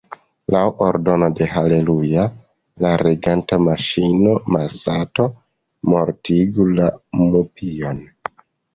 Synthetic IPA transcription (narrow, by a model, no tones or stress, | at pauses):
lawʔoɾdo̞no̞de̞ɦale̞luja | laɾeɡantamaʃino̞masato̞ | mo̞ɾtiɡulamupio̞n